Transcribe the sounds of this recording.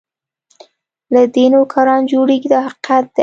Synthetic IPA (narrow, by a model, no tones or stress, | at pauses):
lad̪enokʰɑɾɑnd͡ʒoɽeɡid̪əhaqqat̪̚d̪̥ə